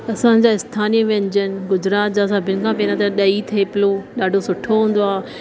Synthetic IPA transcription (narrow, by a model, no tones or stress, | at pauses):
ɐsãd͡ʑaːɪst̪ʰaːnijəʋẽɲd͡ʑənɡʊd͡ʑɾaːt̪d͡ʑaːsɐbʱɪnkʰãːpeːɾãt̪ɐɗɐit̪ʰiepɪloɗaːɖʱosʊʈʰoɦũːn̆d̪oaː